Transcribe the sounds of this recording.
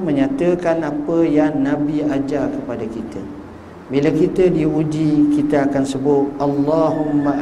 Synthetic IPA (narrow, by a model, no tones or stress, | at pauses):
mə̃ɲãt̪əkanapəjaŋnabiad͡ʒakəpadakit̪ʰə̰ | bilakit̪ədiud͡ʒikit̪əakansəbʊt̪̚ʔalːaɦumːa